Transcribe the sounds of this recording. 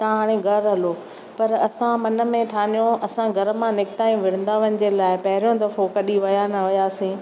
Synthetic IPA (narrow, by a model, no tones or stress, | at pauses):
t̪ɐɦaːɽ̃ẽɡʱɐɾɦɐloː | pɐɾɐsãmɐnə̆mẽʈʰaːnijõɐsãɡʱɐɾəmãnɪkɪt̪aːj̃ũʋɪɽ̤̃ə̃n̆d̪aʋənɪ̆d͡ʑelaːɪpɐɦɪɾjõd̪ɐfokɐɗiʋɐjanɐʋɐjaːsĩ